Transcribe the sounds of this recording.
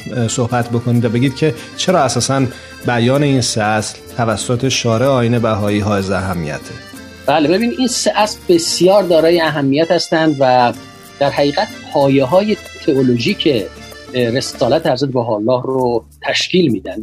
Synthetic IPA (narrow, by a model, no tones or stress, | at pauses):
sohbæt̪ʰbo̞kʰonid̪væbe̞ɟiːd̪̚cʰe̞ | t͡ʃʰe̞ɾɒːæsɒːsæn | bæjɒːne̞iːnseæslt̪ʰævæsːot̪ʰe̞ʃɒːɾeɒːjiːne̞bæɦɒːiːɦɒːezeæɦæmːḭjæ̰t̪ʰe | b̥æːlebe̞biːnid̪ʔinseʔæslbe̞sjɒːɾd̪ɒːɾɒːjeæɦæmːijæt̪hæst̪ænd̪væ | d̪̥æɾɦæɣiːɣæt̪̚pʰɒːjeɦɒːjet̪ʰeoloʒiːcʰe̞ | ɾe̞sɒːlæt̪ʰeæɾzæt̪bæɦɒːlːɒːhro | t̪ʰæʃciːlmiːd̪ænd̪